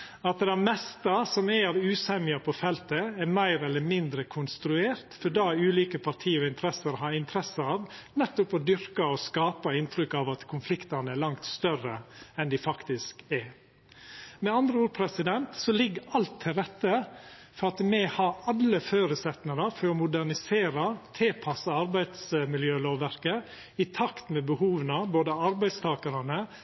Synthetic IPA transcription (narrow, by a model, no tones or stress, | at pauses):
ɑt̪d̪ɛmɛst̪ɑsɔmɛɾʉːsɛmɪɑpʰɔfɛlt̪əɛɾmæɪɾɛlːəmɪnd̪ɾəkʰʊnst̪ɾʉeːɾt̪fɔɖɑːʉːliːkəpʰɑɾʈ̪ʰiːɔɪnt̪ʰɾɛsəɾɦɑɾɪnt̪ʰəɾɛsəɑːʋnɛt̪ːʊpɔd̪ʏɾkɑɔskɑːpɑɪnt̪ʰɾʏkːɑʋɑt̪kʰʊnflɪkt̪ɑnəɛɾɭɑŋt̪st̪œrəɛnd̪ɪfɑkt̪ɪskɛɾ | mɛɑnd̪ɾəuːɾpʰɾɛsɪd̪ɛnt̪sɔlɪɡːɑlt̪ʰːɪlɾɛt̪ːəfɔɾɑt̪mɛhɑɾɑlːəføːɾʉsɛt̪nəɾɑfɔɾɔmʊd̪ænɪseːɾɑt̪ʰeːpʰɑsɑɑɾbæɪd̪smɪljøːloːʋæɾkə | ɪt̪ʰɑkt̪mɛbəhuːʋənəboːd̪əɑɾbæɪd̪st̪ʰɑːkəɾɑnə